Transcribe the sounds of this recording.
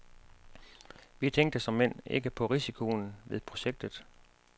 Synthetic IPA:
ʋit͡sʰeŋ̰ɡ̚d̥əsɒ̽mːen̰e̝ɡ̥əpʰɒ̽ʁisikʰo̝nʋe̝ðˠpʰʁo̝ɕeɡ̥̚d̥ð̩ˠ

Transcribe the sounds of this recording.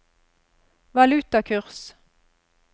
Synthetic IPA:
ʋɑlʉt̪ɑkʰʉʁs

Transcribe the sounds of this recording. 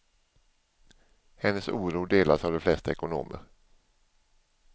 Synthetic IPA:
hɛnːəsuːɾuːd̪eːlasavd̪ɛflɛst̪aɛkʊno̰ːmə̰ɾ

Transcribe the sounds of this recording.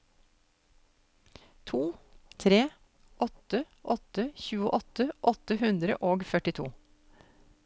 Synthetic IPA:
t̪ʰuːt̪ʰɾeː | ʔɔt̪ə | ʔɔt̪əçʉːə̰ʔɔt̪əʔɔt̪əhʉnd̪ɾə̰ʔoːɡfœʈɪt̪ʰṵː

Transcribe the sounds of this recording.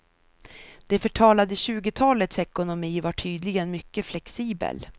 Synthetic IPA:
d̪̥ɛfœʈʰɑːlad̪əɕʉ̟ːɡət̪ʰɑːlət̪sɛkʊnʊmiːvaʈʰyːd̪lɪɡənmʏkːəflɛksiːbə̰l

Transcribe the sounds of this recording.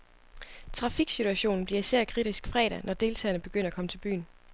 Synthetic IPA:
t͡sʰʁɑ̈fiɡ̥sit͡sʰuæɕo̝̰ːn̩b̥liɐisæɐ̰kʰʁid̥isɡ̥fʁɛ̰ːɾ̥ænʔɒd̥e̝ːlt͡sʰɛ̰ːɐnəb̥e̝ɡ̥øn̰ɐækʰɒ̽mə̥t͡sʰe̝lb̥y̰ːn

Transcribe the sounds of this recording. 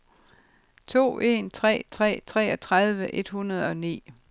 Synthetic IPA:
t͡sʰo̝̰ːe̝nt͡sʰʁɛ̰ːt͡sʰʁɛ̰ːt͡sʰʁɛ̰ːɒt͡sʰʁɑðˠʋəʔe̝d̥hunɐð̞ˠɒ̽nḭː

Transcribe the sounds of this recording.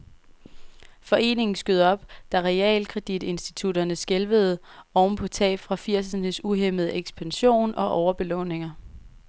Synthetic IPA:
fɒ̽ʔe̝̰ːne̝ŋn̩sɡ̥øð̞ˠɒ̽b̥d̥æʁɛɛ̰ːlkʰʁɛd̥id̥e̝nsd̥i̥t͡sʰud̥ɐnəsɡ̥elʋəð̞̩ˠɒʊnpʰɒ̽t͡sʰɛ̰ːb̥fʁɑ̈fiɐ̰sɐnəsuɦem̰ð̞̩ˠəeɡ̥sb̥ænɕo̝̰ːnɒ̽ʔɒʊɐb̥e̝lɔ̰̽ːne̝ŋɐ

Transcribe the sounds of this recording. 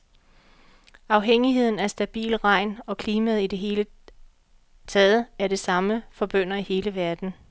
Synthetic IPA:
ɑ̈ʊɦeŋ̰iɦe̝ð̞̰ˠn̩æɐsd̥æb̥ḭːlʁɑ̈ɪ̰nɒ̽kʰliːmæð̩ˠid̥e̝ɦe̝ːlə | t͡sʰɛð̩ˠæɐɾe̝sɑ̈məfɒ̽b̥øn̰ɐihe̝ːləʋæɐd̥n̩

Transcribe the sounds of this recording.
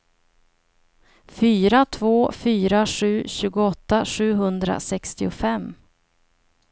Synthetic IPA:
fyːɾat̪ʰvoːfyːɾaɧʉ̟ːɕʉ̟ːɡʊɔt̪ːaɧʉ̟ːɦɵnd̪ɾa̰sɛkst̪ɪʊfɛmː

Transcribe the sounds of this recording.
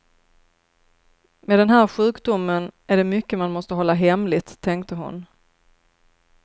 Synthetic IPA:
meːd̪ɛnɦæːɾɧʉ̟ːkd̪ʊmːənæɖɛmʏkːəmanmɔst̪əɦɔlːaɦɛmlɪt̪ʰːɛŋkt̪əɦʊ̰n

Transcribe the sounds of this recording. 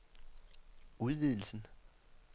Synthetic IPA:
uðˠʋið̰ˠl̩sn̩

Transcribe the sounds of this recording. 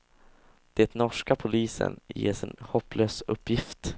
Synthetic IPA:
d̪̥ɛt̪nɔʂkapʰʊliːsə̰njḛːʂɪnhɔpːløːsɵpːjɪft̪

